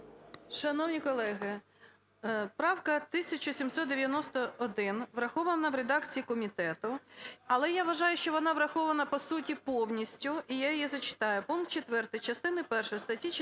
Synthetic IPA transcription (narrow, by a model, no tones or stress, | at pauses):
ʃɐnɔwnʲikɔlˠɛɦɪ | pɾɑwkɐt̪ɪsʲɐt͡ʃɔsʲimsɔt̪̚d̪eʋʲjɐnɔst̪ɔːd̪ɪnʋɾɐxɔʋɐnɐʋɾed̪ɑkt͡sʲijikɔmʲit̪ɛt̪ʊɐlˠɛjaʋɐʒɑjʊʃt͡ʃɔʋɔnɑʋɾɐxɔʋɐnɐpɔsutʲipɔwnʲisʲtʲʊijajɔjizɐt͡ʃɪ̥t̪ɑjʊpunkt̪̚t͡ʃet̪ʋɛrt̪ɪjt͡ʃɐst̪ɪnɪpɛrʃɔjst̪ɐtʲːi